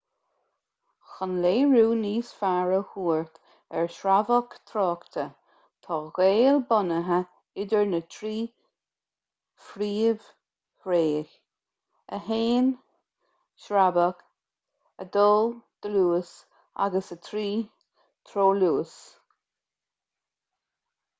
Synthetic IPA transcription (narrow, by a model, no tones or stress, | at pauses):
xənleːɹuːniːsfaɹəhuːɹt̪ | ɛɹʃɾavəkt̪ʰɾɔːkt̪ʰə | t̪ʰɔːɣeːlbɔnəɦə | ɪdəɹnət̪ʰɾiː | fɾiːv̥ | hɾeːx | əɦeːn | ʃɾabək | əd̪oːld̪̥əluːəs | a̰ɡəsət̪ʰɾiː | t̪ʰɾoːluːs